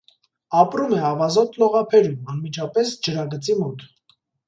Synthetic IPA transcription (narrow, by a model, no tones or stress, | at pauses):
ɑpɾumɛɑvɑzɔt̪lɔʁɑpʰɛɾumɑnmit͡ʃʰɑpɛsd͡ʒəɾɑɡət͡simɔt̪ʰ